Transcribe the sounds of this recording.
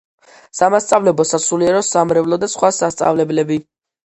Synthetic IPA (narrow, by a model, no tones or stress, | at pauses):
samast̪sʼavlɛbɔsasuliɛɾɔsamɾɛvlˠɔd̪asχwasast̪sʼa̰vlɛblɛbi